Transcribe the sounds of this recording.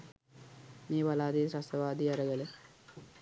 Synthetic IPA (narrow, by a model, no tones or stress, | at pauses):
niːʋɐlaːd̪isɾɐsɐʋaːd̪iɐɾɐɡɐle